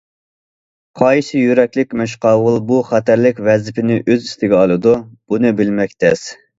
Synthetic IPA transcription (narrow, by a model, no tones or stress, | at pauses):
qʰɑjʃɪjyɾɛkʲlɪkʲmɛʃ̬qɑːwʊlˠbuχæt̪ʰæɾlɪkʲvɛzɪpʰɪnɪʔøzist̪ɪɡʲɛɑlˠɨd̪ub̥unɨbɪlmɛkʲt̪ʰɛs